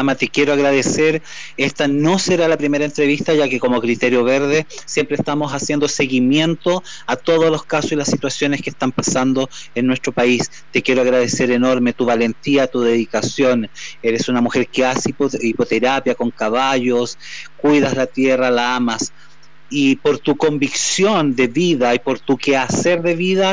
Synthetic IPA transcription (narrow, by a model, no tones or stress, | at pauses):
amat̪ekjeɾoaɣɾaðeseɾ | est̪ano̞seɾalapɾimeɾaent̪ɾeβist̪aʝakeko̞mokɾit̪eɾjo̞βeɾðesjempɾest̪amo̞sasje̞nd̪ose̞ɣimje̞nt̪o | at̪o̞ð̞ozlo̞skasosilasːit̪wasjoneskest̪ampasand̪o | enːwest̪ɾopais | t̪e̞kjeɾoaɣɾað̞eseɾeno̞ɾme̞t̪uβale̞nt̪iat̪uðe̞ðikasjo̞neɾesunamuxe̞ɾkeasipoipot̪eɾapjako̞ŋkaβaʝoskwuðazlat̪jeralaamas | ipoɾt̪uko̞mbiksjo̞nd̪eβiðaipo̞ɾt̪ukeaseɾðeβiða